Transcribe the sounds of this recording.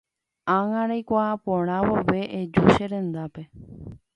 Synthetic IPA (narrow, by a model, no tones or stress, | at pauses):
ãŋãɾajkʷapõɽ̃ãʋoʋe̞ʔed͡ʒuʃeɾẽ̞nd̪ape̞